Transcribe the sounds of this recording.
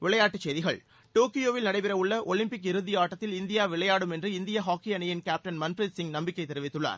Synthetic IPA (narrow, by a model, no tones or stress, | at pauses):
ʋɪɭɐjaːʈːɯt͡ʃːsejðɪɣɐɭ | ʈoːkːɪjoːʋɪlnɐɽɐɪpɪɾɐʋɯɭːɐʔɔɭɪmpɪkːɪɾɯðɪjaːʈːɐt̪ːɪlɪnd̪ɪjaːʋɪɭɐjaːɽɯmɛndrɯɪnd̪ɪjɐɦaːkːijɐnɐjɪnkaːp̚ʈɐnmɐnfɾɪd̪sɪŋnɐmbɪkːɐɪt̪ːɛɾɪʋɪt̪ːɯɭːa̰ːɾ